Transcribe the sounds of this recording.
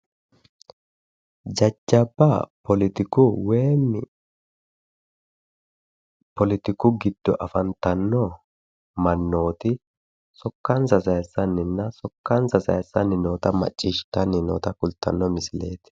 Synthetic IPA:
d͡ʒɐd͡ʒːɐbːɐpɔlɪt̪ɪkʊweːnːɪ | pɔlɪt̪ɪkʊɡɪd̪̥ːɔʔɐfɐnt̪ɐnːɔ | mɐnːo̞ːt̪ɪ | sɔkːɐnsɐsɐjsːɐnːɪnːɐsɔkːɐnsɐsɐ̰jsːɐnːɪno̞ːt̪ɐmɐ̰t͡ʃʼːiʃt̪ɐnːɪno̰ːt̪ɐkʊlt̪ːɐ̰nːɔmɪsɪle̞̰ːt̪ɪ̥

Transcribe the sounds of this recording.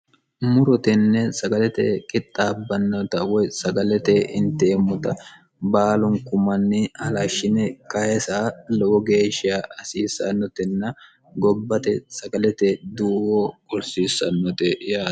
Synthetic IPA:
mʊɾɔt̪ɛnːɛsɐɡɐlɛt̪ɛkʼɪt̪ʼːaːbːɐnːɔt̪ɐwɔjsɐɡɐlɛt̪ɛʔɪnt̪eːmːʊt̪ɐ | baːlʊŋkʊmɐnːɪhɐlɐʃːɪnɛkɐhɛsaːlɔwɔɡe̞ːʃɪjaɐsiːsɐnːɔt̪ɛnːɐ | ɡɔbːɐt̪ɛsɐɡɐlɛt̪ɛd̪uːwɔʊɾsiːsːɐnːɔt̪ɛjaː

